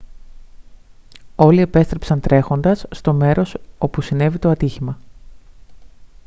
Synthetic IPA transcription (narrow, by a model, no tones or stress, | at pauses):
o̞lie̞pe̞st̪ɾe̞psɐnt̪ɾe̞xo̞nd̪ɐsːt̪o̞me̞ɾo̞so̞pusine̞vit̪o̞ɐt̪içimɐ